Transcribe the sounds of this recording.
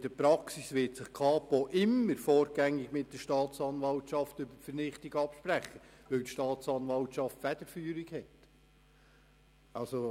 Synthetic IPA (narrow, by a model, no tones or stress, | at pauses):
ɪd̥əɾpɾɑksisʋɪːtsɪχkʰɑːpoʔɪmːəɾfoːɾɡ̥æŋːɪɡmɪt̚d̥əʃtɑːt̪t͡sɑnʋɑltʃɑftʏbəfəɾnɪχtɪɡɑpʃpɾæχəʋɪltʃtɑːt̪t͡sɑnʋɑltʃɑftfæd̥əɾfyːɾiɡhɛt | ɑlso